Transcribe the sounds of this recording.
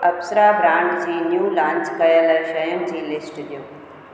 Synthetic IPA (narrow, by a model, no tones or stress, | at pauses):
ɐpsɾaːbɾãːɳɖd͡ʑiːnjuːlãːnt͡ʃkɐjəlɐʃɐjənd͡ʑiːlɪsʈd̪ju